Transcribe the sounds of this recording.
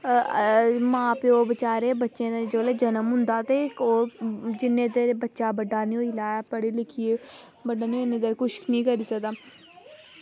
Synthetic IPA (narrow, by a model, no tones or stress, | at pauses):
mãːpeːoːbət͡ʃaːɾeːbətːʃẽːd͡ʒoːlɛːd͡ʒənəmɦʊ̃nd̪aːt̪eːoːd͡ʒɪnːẽːt̪eɾbətːʃaːbəɖaːnĩoːilaːjaːpəɽeːlɪkʰieː | bəɖaːnĩoɪnːẽːd̪əɾkʊʃknĩːkəɾiːsəkd̪aː